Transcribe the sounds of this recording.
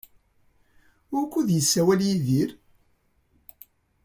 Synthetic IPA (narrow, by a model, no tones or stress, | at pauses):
ʊɾkʷːuðjəsːæwæljiðiɾ